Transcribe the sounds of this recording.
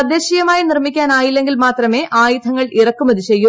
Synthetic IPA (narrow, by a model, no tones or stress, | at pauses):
ɐd̪ːeːɕijɐmaːjinirmikʲːaːnaːjilːe̞ŋɡilmaːt̪rɐme̞ːʔaːjud̪ʰʱɐŋːɐɭirɐkːumɐðiɕejːu